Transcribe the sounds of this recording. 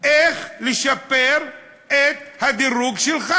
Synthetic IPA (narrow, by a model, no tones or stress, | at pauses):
ʔeχleʃapeɾ | et̪̚had̪iɾuɡʃɛlχa